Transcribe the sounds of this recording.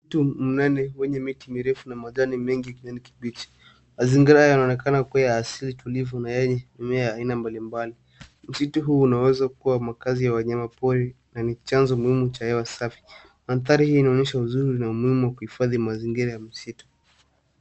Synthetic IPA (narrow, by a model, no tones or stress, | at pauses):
itum̩nanɛwɛɲɛmitimiɾɛfunamaʄanimɛŋɡikiɲaniki̥ɓit͡ʃi̥ | maziŋɡiɾajanaɔnɛkanakuajaːsilitulivɔnajɛɲɛɛmɛajaːinambalimbali | m̩situɦuːnawɛzakuwamakazijawaɲamapɔɾɛnanit͡ʃanzɔmuhimut͡ʃahɛwasafi̥ | hanθaɾihiːnaɔɲɛʃauzuɾinaumuhimuwakuhifaðimaziŋɡiɾajam̩situ̥